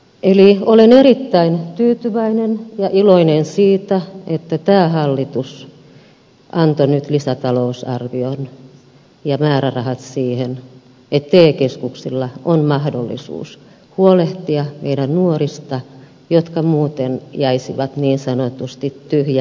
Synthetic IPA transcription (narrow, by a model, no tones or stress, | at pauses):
ʔeliolenerit̪ːæint̪yːt̪yʋæinenjɑʔiloinensiːt̪æet̪ːæt̪æːhɑlːit̪us | ʔɑnt̪onyt̪lisæt̪ɑlousɑ̰rʋion | jɑmæːrærɑhɑt̪siːhen | et̪ːeːkeskuksilːɑonmɑhdo̰lːḭsṵːs | huoleht̪iɑmḛidænnuorist̪ɑ | jot̪kɑmuːt̪enjæisiʋɑt̪niːnsɑnot̪ust̪it̪tyhjæ